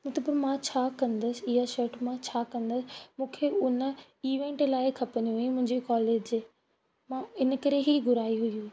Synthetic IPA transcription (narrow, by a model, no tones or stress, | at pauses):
mʊt̪əpəɾmãt͡ɕʰaːkɐ̃nd̪əsɪ̆ɪɦaʃɐɾʈmãt͡ɕʰaːkɐ̃nd̪əsɪ̆mũːkʰeʊnə | iːʋẽːɳʈlaːɪkʰɐpɐnũɦjũmʊ̃ɦɪ̃ɲd͡ʑikɔːleːd͡ʑ | mãɪnəkɐɾeɦiɡʊɾaːiɦʊjũ